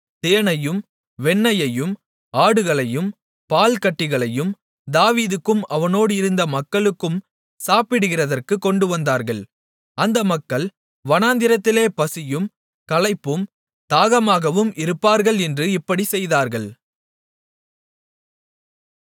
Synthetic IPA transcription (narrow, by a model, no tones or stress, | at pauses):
t̪eːɳɐjɯm | ʋɛɳːɐjɐjɯm | aːɽɯɣɐɭɐjɯm | paːlkɐʈːɪɣɐɭɐjɯm | d̪aːʋiːðɯkːɯmɐʋɐnoːɽɯɪɾɯnd̪ɐmɐkːɐɭɯkːɯm | saːpɪɽɯɣɪrɐðɐrkɯkːɔɳɖɯʋɐnd̪aːɾɣɐɭ | ɐnd̪ɐmɐkːɐɭ | ʋɐnaːnd̪ɪɾɐt̪ːɪleːpɐsɪjɯm | kɐlɐɪpːɯm | t̪aːɣɐmaːɣɐʋɯmʔɪɾɯpːaːɾɣɐɭɛndrɯɪpːɐɽisɛjðaːɾɣɐɭ